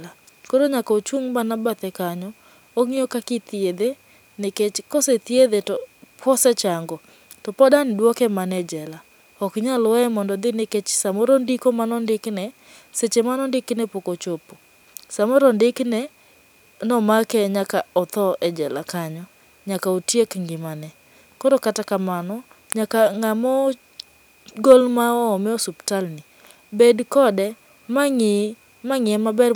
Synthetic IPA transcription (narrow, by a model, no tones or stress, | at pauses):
a | koɾoɲakaot͡ʃuŋbanabat̪ɛkaɲɔ | oŋijokakɪt̪ied̪e | nɪket͡ʃkoset̪ied̪etɔpʰɔsɛt͡ʃaŋɡɔ | tɔpɔdanɪdwɔkɛmanɛd͡ʒɛla | ɔkɲalwɛmɔndɔd̪ɪnɪket͡ʃsamoɾondikomanɔndɪknɛ | set͡ʃemanɔndɪknɛpokot͡ʃopo̥ | samɔɾɔndɪknɛ | nɔmakɛɲakaɔt̪ɔʔɛd͡ʒɛlakaɲɔ | ɲakaotjekŋɡɪmanɛ | kɔɾokatakamanɔ | ɲakaŋamɔ | ɡolmaɔːmɪɔsuptalni | bedkɔdɛ | maŋɪ | maŋɪɛmabɛr